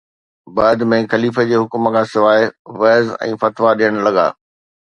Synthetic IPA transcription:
bɐːd̪mẽxɐliːfəd͡ʑeːɦʊkmə̆kʰãːsɪʋaːɪʋɛːzɛ̰̃ːfɐt̪ʋaɗijəɽ̃lɐɠa̰ː

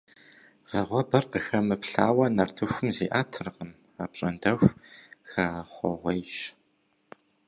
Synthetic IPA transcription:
ʁɐʁʷɔbɐrqəxɐmɨpɬaːwɐnɐrtʰɨxʷʊmzḭːʔaːtʰɨrqəm | aːpɕʼɐndɐxʷxaːχʷɔ̰ʁʷejʃ

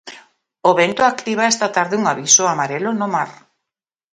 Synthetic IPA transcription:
oβent̪oakt̪iβ̞aest̪at̪aɾðɪuŋaβisoamaɾelonomaɾ

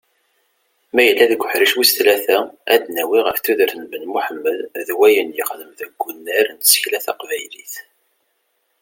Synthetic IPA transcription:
mæjəlːæðəɡʷːəħɾiʃwisθlæθææd̪næwiʁəfθuðəɾθənbənmuħəmːəððwæjənjəχləmðəɡʷːunːæɾnsə̥çlæθɑ̰qvæjliθ

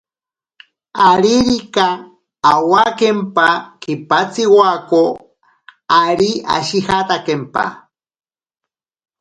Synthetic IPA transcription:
aɾiɾikaː | wakempakipat͡siwako | aɾia̰ʃihat̪akempa̰

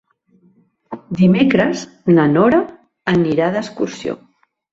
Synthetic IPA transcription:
d̪imekɾəz | nənɔɾəː | niɾaðəskuɾsio̰

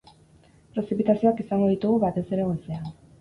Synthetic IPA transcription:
pɾe̞sipit̪asio̞akisaŋɡo̞ðit̪uɣuβat̪e̞se̞ɾe̞ɣesean

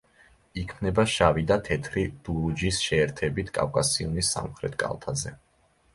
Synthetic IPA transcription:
ikʰmnɛbaʃavid̪at̪ʰɛt̪ʰɾid̪̥uɾud͡ʒisʃɛːɾt̪ʰɛbit̪ʰkʼa̰fkʼasiɔnisa̰mχɾɛ̰t̪ʰkʼa̰lˠt̪ʰazɛ

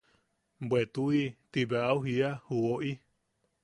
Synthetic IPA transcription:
bet̪uit̪ibeʔauɦiahuoʔi

